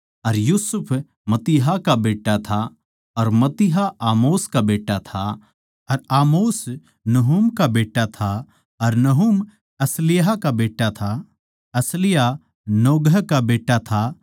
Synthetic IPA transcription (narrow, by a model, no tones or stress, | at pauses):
ɐɾjuːsʊpʰ | mɐt̪ɪɦakabeːʈːat̪ʰa | ɐɾmɐt̪ɪɦaʔaːmoːskabeːʈːat̪ʰa | ɐɾaːmoːs | nɐɦumkabeːʈat̪ʰa | ɐɾnɐɦum | ɐslɪjɦakabeːʈːat̪ʰa | ɐslɪja | noːɡəkabeːʈːat̪ʰa